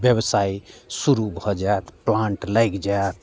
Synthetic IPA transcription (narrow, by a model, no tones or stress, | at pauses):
bjebsaisuɾubʱɔd͡ʒaet̪plãɳʈlajkd͡ʒajt̪